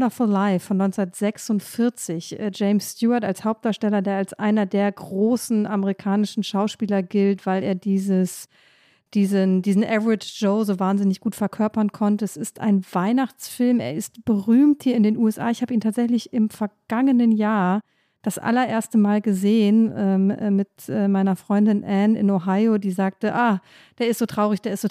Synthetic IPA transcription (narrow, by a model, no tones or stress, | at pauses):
nɐfʊllaɪfɔnɔʏnt͡snɐtz̥ɛksʊntfɪɐt͡sɪçʔəːd͡ʒɛɪmsːtjuːɐtalshaʊp̚d̥aːʃtɛlɐdeːɐalsʔaɪnɐdeːɐɡʁoːsn̩ʔaməʁikʰaːnɪʃn̩ʃaʊʃpiːlɐɡɪltv̥aɪleːɐdiːzəs | d̥iːzəndiːzn̩ʔɛvɹɪʒ̥oʊzoːvaːnzɪnɪçɡ̥uːtfɛɐkʰœɐpɐnkʰɔntəɛsɪstʰa̰ɪnvaɪnaχt͡sfɪlmḛːɐɪstb̥əʁyːmthiːɐɪndeːnʔuɛsʔa̰ːɪçhaːbəiːntʰaːtz̥ɛçlɪçɪmfɛɐɡ̥aŋənənjaːɐ | d̥asʔa̰lɐʔeːɐstəmaːlɡəzeːənʔɛ̰ːmɪtʔɛːmaɪnɐfʁ̥ɔʏndɪnʔɛnɪ̰noɦaɪodiːzaːk̚təʔa | d̥eːɐɪstz̥oːtʁ̥aʊʁɪçd̥eːɐɪstzo